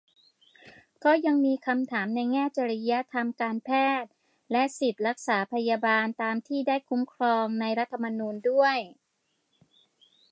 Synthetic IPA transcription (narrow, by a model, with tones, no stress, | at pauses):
kɔː˥˩ja˧ŋmiː˧kʰa˧mt̪ʰaː˩˦mna˧jŋɛː˥˩t͡ɕa˧ɾi˦˥ja˦˥t̪ʰa˧mkaː˧npʰɛː˥˩t̪̚ | lɛ˦˥ʔsi˨˩t̪̚ɾa˦˥k̚saː˩˦pʰa˧ja˧baː˧nt̪aː˧mt̪ʰiː˥˩daː˥˩jkʰu˦˥mkʰɾɔː˧ŋna˧jɾa˦˥t̪ʰːa˧ma˧nuː˧ndu˥˩əj